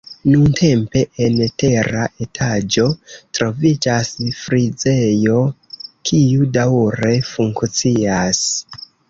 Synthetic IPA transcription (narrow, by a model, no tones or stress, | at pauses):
nuntʰe̞mpe̞ʔente̞ɾaʔe̞tʰad͡ʒo̞tɾo̞vid͡ʒasfɾid͡ze̞jo̞kʰiudawɾe̞fuŋkt͡sias